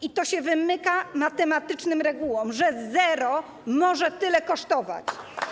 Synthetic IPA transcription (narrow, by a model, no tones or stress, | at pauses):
it̪ɔɕɛvɘmɘkamat̪ɛmat̪ɘt͡ʂnɘmɾɛɡuwɔmʐɛzɛɾɔ | mɔʐɛt̪ɘlɛkɔʂt̪ɔva̰t͡ɕ